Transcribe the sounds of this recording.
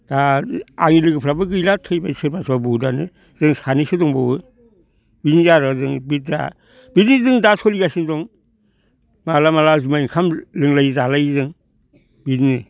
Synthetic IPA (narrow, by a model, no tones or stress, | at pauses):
d̥aaŋilɯɡɯpʰɾabɯɡɯjlatʰɯjbasʰɯɾbasʰabudanɯ | zɯŋsanisɯdɔŋbawɯ | bizinzaɾazɯŋbit̚da̰ | bididɯŋdasʰɔliɡasindɔŋ | malamalazumaiŋkʰamlɯŋlajzalajzɯŋ | bidnɯ